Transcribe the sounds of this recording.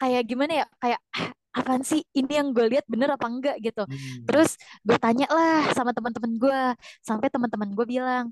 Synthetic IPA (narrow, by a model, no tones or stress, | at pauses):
kajaʔɡimanajakajaʔ | apansɪinijaŋɡualiat̪̚bənəɾapaəŋɡaʔɡit̪ut̪əɾʊsɡuat̪aɲaʔlahsamat̪əmənt̪əmənɡuasampɛjt̪əmənt̪əmənɡuabilaŋ